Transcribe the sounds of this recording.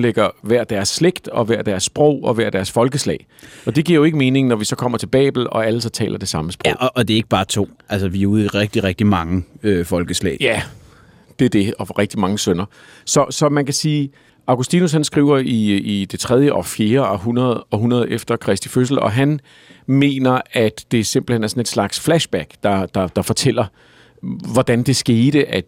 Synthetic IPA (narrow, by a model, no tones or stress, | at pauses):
leɡ̥ɐʋæɐ̰d̥æɐsːleɡ̥d̥ɒ̽ʋæɐ̰d̥æɐsːb̥ʁɔʊ̰ɒ̽ʋæɐ̰d̥æɐsfɒ̽lɡ̥əslɛ̰ɪʔɒ̽d̥e̝ɡ̥iɐjoe̝ɡ̥əme̝ːne̝ŋnɒʋisɒ̽kʰɒ̽m̰ɐt͡sʰe̝lb̥ɛ̰ːb̥l̩ɒ̽æləsɒ̽t͡sʰɛ̰ːlɐd̥e̝sɑ̈məsb̥ʁo̰ʔːd̥e̝ɐeɡ̥̚əb̥ɑ̈ːt͡sʰo̝̰ːʔælsəʋiuðˠʁɛɡ̥̚d̥iʁɛɡ̥̚d̥imɑ̈ŋəøfɒ̽lɡ̥əslɛ̰ːjæ | d̥e̝æɐd̥e̝ɒ̽ʁɛɡ̥̚d̥imɑ̈ŋəsønɐ | sɒ̽sɒ̽mænkʰæsiː | ɑ̈ʊɡ̥usd̥inus̬hænsɡ̥ʁḭʊ̰ɐiid̥e̝t͡sʰʁɛð̞ˠjəʔɒ̽fje̝ːɐɒ̽ɦunɐð̞̩ˠɒ̽ɦunɐð̞̩ˠefd̥ɐkʰʁɛsd̥iføs̬l̩ɒ̽ɦæn | me̝̰ːnɐæd̥ːe̝se̝mb̥l̩henæɐsɒ̽ne̝d̥slɑ̈ɡ̥sflæɕb̥æɡ̥d̥ɑ̈d̥ɑ̈d̥ɑ̈fɒ̽t͡sʰel̰ɐ | ʋɒd̥ænd̥e̝sɡ̥e̝ːd̥əʔæ̥